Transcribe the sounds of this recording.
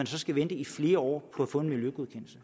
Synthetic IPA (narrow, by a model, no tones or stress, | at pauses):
ænsɒ̽sɡ̥æʋend̥əifle̝ːɐɒ̰ːpʰɒ̽æfɔ̽e̝nmiljøɡ̥uð̞ˠkʰen̰l̩sə